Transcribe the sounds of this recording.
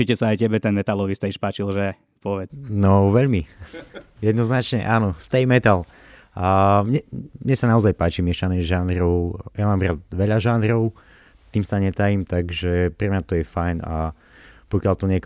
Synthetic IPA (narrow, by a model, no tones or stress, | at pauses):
t͡ʃicɛsaːjcɛbɛt̪ɛnmɛt̪alɔʋist̪ɛʃpaːt͡ʃilʒɛ | pɔʋɛt͡snɔʋɛʎmi | jɛd̪nɔznat͡ʃɲɛ̰ʔaːnɔst̪ɛjmɛt̪al | mɲɛmɲɛsanaɔzajpaːt͡ʃimɪɛʃanɛʒaːnɾɔʊjamaːmɾaːd̪ʋɛʎaʒaːnɾɔʊ | t̪iːmsaɲɛt̪ajimt̪aɡʒɛpɾɛmɲat̪ɔjɛfajna̰ | pɔkɪalt̪ɔɲɛk